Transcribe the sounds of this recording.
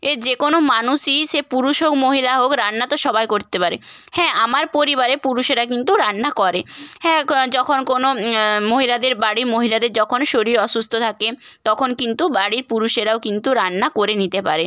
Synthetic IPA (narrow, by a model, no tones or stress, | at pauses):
eɾd͡ʑekonomanuʃiʃepuɾuʃokmoɦilaɦokɾanːat̪oʃɔbajkoɾt̪epaɾe | hɛ̃amaɾpoɾibaɾepuɾuʃeɾakint̪uɾanːakɔɾehɛ̃d͡ʑɔkʰonkonomoɦilad̪eɾbaɽiɾmoɦilad̪eɾd͡ʑɔkʰonʃoɾiɾɔʃust̪ʰot̪ʰake | t̪ɔkʰonkint̪ubaɽiɾpuɾuʃeɾaokint̪uɾanːakoɾenit̪epa̰ɾe